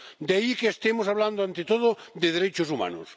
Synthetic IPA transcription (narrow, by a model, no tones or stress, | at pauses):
d̪aikeːst̪emosaβland̪oant̪et̪oð̞ʊd̪eðeɾejt͡ʃʊsuma̰nʊ̰s